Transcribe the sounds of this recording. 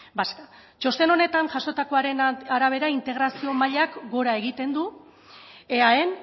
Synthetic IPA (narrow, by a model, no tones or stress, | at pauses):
baska | t͡ʃo̞st̪e̞no̞ne̞t̪anʝaso̞t̪ako̞aɾe̞naɾaβ̞e̞ɾaint̪e̞ɣ̞ɾasio̞maʎakɡo̞ɾae̞ɣit̪e̞nd̪u | e̞ae̞n